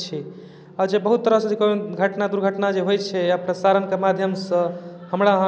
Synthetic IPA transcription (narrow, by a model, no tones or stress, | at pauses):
t͡ʃʰi | aɾd͡ʒebəɦut̪ːəɾəɦsə̃d͡ʒekoɡʱəʈnad̪uɾɡʱəʈnad͡ʒeɦojt͡ʃʰɛəpɾəsaɾənkemad̪ʱjəmsə̃həmɾaɦə̃